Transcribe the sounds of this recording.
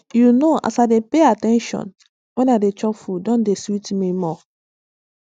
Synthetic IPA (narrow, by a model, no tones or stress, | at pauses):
junoa̰saɪdepeatɛ̃nʃɔ̰̃n | wɛ̃nadet͡ʃɔpfudɔ̃ndesitmimɔ